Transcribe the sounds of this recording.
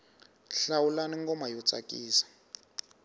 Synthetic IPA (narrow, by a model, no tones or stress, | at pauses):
ɬawulaniŋɡɔmajɔt͡sʼa̰kʼiːsḁ